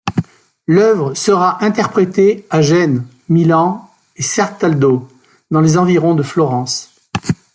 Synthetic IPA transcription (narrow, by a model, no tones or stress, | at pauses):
lœvʁəsəʁaʔɛ̃t̪ɛʁpχet̪eaʒɛn | milɑ̃ | esɛʁt̪ald̪o | d̪ɑ̃lezɑ̃viʁɔ̃d̪əflɔʁɑ̃s